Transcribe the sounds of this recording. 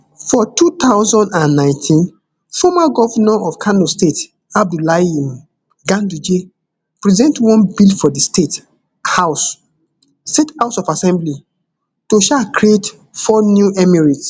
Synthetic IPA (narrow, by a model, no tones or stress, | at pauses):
fɔtut̪aʊzɔ̃ndãnːãɪ̃ntʰĩn | fɔmaɡɔvanaɔfkʰanostet | ab̚dulaim | ɡãndud͡ʒe | pɹizɛ̃ntwɔ̃nbilfɔdistet | haʊs | stetaʊsɔvasɛ̃mbli | toʃakɾiet | fɔnjuʔɛmiɹits